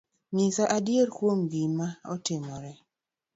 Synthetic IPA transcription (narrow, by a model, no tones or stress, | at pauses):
mɪsaʔadjeɾkwomɡimaɔtɪmɔɾɛ